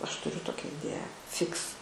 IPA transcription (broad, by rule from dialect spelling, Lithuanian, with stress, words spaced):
ˈɐʃ tʊˈrʲʊ ˈtoːkʲɛ ɪˈdʲeːjæː ˈfʲɪks